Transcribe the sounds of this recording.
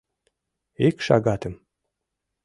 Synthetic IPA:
ekʃɑ̰ɣɑt̪ə̆m

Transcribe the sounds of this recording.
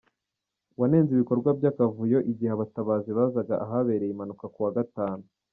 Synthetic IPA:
wane̞ːnziβiko̞ɾɡwabjaːkavujo̞ʔiɟiheaβataβaːziβazaɡaʔaɦaβe̞ːɾejimanukakuwaɡataːnu

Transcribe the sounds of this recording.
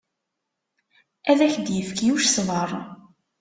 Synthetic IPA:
æðæçd̪jəfkjuʃsməɾˤ

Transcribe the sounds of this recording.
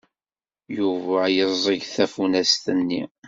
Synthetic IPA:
juvæjəzˤiʝθæfunæst̪ənːḭ

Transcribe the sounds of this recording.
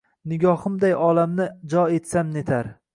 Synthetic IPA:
nɪɡʲɒhɨmd̪ajɒlamnɪd͡ʒɒe̞t̪samnet̪ʰaɾ

